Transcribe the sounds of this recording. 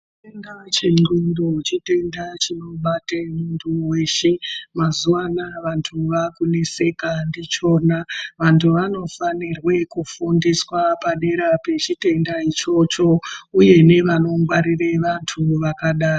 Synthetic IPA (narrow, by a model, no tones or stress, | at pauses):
t͡ʃtendat͡ʃeŋ͡ǃindot͡ʃite̞ndat͡ʃino̞ɓatemuntʰuwe̞ːʃemazuwanaʋantʰuʋakune̞se̞kandit͡ʃo̞ːnaʋantʰuʋano̞fanirwe̞kufundiswapaɗe̞ɾape̞t͡ʃite̞ndait͡ʃo̞t͡ʃo̞uje̞ne̞ʋano̞ŋɡwaɾireʋantʰuʋakaɗaːro